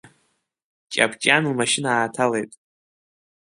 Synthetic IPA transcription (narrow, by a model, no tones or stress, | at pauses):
t͡ʃʼa̰pʰt͡ʃʼanlmaʃɪnaːtʰalejtʼ